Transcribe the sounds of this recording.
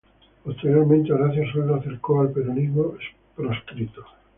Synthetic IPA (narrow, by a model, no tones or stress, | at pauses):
post̪eɾjoɾmẽnt̪eaɣɾaθjasold̪aaθeɾkoalpeɾonizmoes | pɾoskɾit̪o